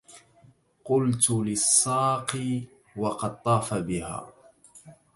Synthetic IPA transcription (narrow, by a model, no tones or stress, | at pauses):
qʊlt̪ʊlɪsˤːɑːqi | wɑqɑd̪̚t̪ˤɑːfabɪha̰ː